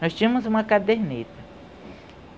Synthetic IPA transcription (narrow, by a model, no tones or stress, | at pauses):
nɔst͡ʃĩɐmʊzũmɐkad̪eɾnet̪ɐ